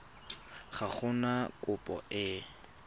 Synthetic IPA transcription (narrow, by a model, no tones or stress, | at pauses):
χaχʊnakʼʊpʼɔ̰ɪ